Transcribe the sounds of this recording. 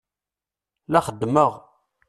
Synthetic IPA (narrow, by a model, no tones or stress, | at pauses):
læχəd̪ːməʁ